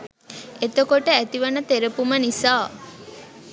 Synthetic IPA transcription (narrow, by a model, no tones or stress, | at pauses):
et̪okoʈəæt̪iʋənət̪eɾəpumənisaː